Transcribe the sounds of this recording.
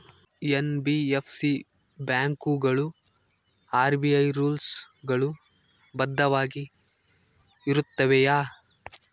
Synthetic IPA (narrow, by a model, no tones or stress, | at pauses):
enbiepʰsi | bjaːŋkuɡɐɭu | aːɾbiɐjɾuːls | ɡɐɭu | bɐd̪ʱːɐʋaːɡi | iɾut̪ːɐʋejaː